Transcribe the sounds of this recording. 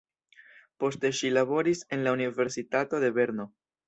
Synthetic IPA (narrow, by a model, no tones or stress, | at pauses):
po̞ste̞ʃilaβo̞ɾise̞nlaunive̞ɾsitato̞de̞be̞ɾno̞